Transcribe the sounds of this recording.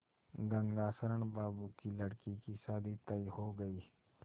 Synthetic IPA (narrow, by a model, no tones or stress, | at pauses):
ɡɐ̃ŋɡaːsəɾəɳbaːbukilɐɽkikisaːd̪it̪ɐihoɡɐiː